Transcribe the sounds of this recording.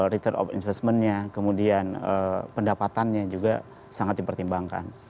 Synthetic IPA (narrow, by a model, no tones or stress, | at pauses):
ɾit̪ərɔ̰fḭnfɛst̪̚mənɲakəmudianəpəndapat̪anɲad͡ʒuɡa̰ | saŋat̪̚dipərt̪imbaŋka̰n